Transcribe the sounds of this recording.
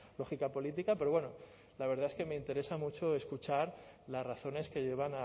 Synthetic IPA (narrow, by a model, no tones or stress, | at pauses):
lo̞xikapo̞lit̪̬ikape̞ɾo̞βwe̞no | laβe̞ɾð̞ae̞ske̞me̞int̪e̞ɾe̞samut͡ʃo̞e̞skut͡ʃaɾlazraθo̞ne̞ske̞ʝe̞βana